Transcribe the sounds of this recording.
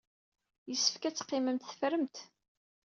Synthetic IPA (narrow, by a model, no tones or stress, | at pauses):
jəsːə̥fkæt͡sːə̥qːɪməmt̪θə̥fɾəmt̪